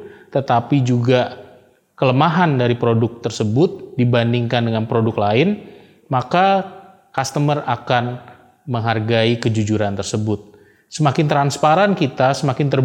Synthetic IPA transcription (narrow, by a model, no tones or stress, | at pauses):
t̪ət̪apid͡ʒuɡa | kələmaɦandaɾipɾodʊk̚t̪ərsəbʊt̪̚dibandiŋkandəŋanpɾodʊklaɪn | maka | kast̪əmərakan | məŋɦarɡaikəd͡ʒud͡ʒuɾant̪ərsəbʊt̪̚ | səmakɪnt̪ɾanspaɾankit̪asəmakɪnt̪ər